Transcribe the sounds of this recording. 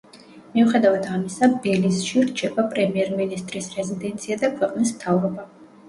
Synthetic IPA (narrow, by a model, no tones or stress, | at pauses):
miuχɛd̪avad̪amisabɛlisʃiɾt͡ʃʰɛbapʼɾɛmiɛɾminist̪ʼɾisɾɛzid̪ɛnt̪sʰiad̪akʰwɛqʼnis̬mt̪ʰavɾɔba